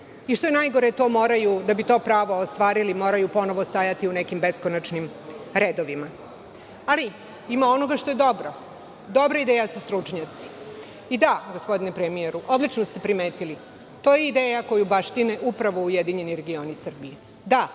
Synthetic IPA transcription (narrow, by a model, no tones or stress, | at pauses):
iʂt̪o̞jenajɡo̞ɾet̪o̞ːmoːɾajud̪abit̪o̞ːpɾaːʋo̞ːst̪ʋaːɾilimo̞ːɾajupo̞noʋost̪ajat̪iunekimbe̞skonat͡ʃnim | ɾeːd̪oʋima | ali | imao̞no̞ɡaʃt̪o̞je̞d̪o̞bɾo | d̪o̞bɾaid̪ejasust̪ɾut͡ʂɲat̪si̥ | id̪aɡospo̞d̪inepɾemijeɾuʔod̪lit͡ʃnost̪e̞pɾimeːt̪ili | t̪o̞jeid̪eːjako̞jubaʂt̪ineʔupɾaʋoujed̪iɲe̞niɾe̞ɡio̞nisr̩bije | d̪a